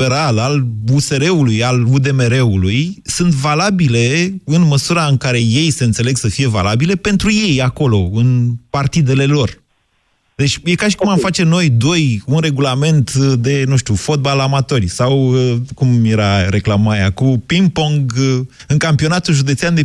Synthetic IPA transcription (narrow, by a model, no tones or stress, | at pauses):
peɾalaluse̞ɾe̞ulujalud̪e̞meɾe̞ulujsɨnt̪valabile̞ɨnməsuɾaɨŋkaɾe̞je̞jse̞ɨnt̪sele̞ɡsəfije̞va̰labile̞pe̞nt̪ɾuje̞jako̞lo̞ɨnpart̪id̪e̞le̞lo̞r | d̪e̞t͡ʃʲje̞kaʃi̥kumamfat͡ʃe̞no̞jd̪o̞junre̞ɡulame̞nt̪d̪e̞nuʃt̪ʲufo̞t̪̚balamat̪o̞rʲsawəkumje̞ɾaɾe̞klamaja̰kupimpoŋɡ | ɨŋkampio̞nat̪ulʒud̪e̞t̪seand̪e